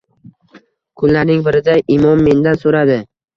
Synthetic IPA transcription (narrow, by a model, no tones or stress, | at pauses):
kʰʊnlaɾnɪŋbɪɾɪd̪aʔɪmɒmːe̞nd̪ansoɾad̪ɪ